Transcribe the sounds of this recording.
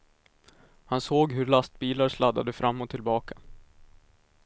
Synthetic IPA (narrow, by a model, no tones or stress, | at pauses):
hansoːɡɦɵɾɭast̪̚biːlaɾʂlad̪ːa̰d̪əfɾʔamːɔt̪ʰːɪlbɑːkʰḁ